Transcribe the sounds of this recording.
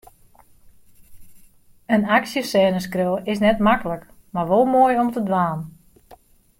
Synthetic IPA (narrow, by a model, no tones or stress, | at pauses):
ənaksjəsɛːnəskrølˠɪsnɛtmakələk | marʋolˠmoəjɔmtədʋaːn